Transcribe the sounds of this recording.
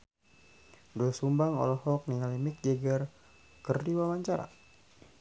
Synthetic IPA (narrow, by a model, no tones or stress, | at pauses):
dɔsumbaŋɔ̰lɔhɔk̚niŋalimik̚d͡ʒɛɡər | kərdiwawaɲt͡ʃaɾa̰